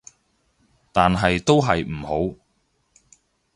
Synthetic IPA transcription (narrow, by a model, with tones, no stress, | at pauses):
t̪aː˨nɦɐ˨jt̪o˥wɦɐ˨jm̩˨˩ho˨˥w